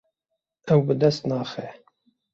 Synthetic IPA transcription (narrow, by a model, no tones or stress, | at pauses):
ɛwbɨd̪ɛst̪nɑːxɛ